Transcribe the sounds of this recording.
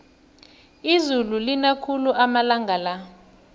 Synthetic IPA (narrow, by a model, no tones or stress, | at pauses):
izululinakʰuluʔamalaŋɡʱala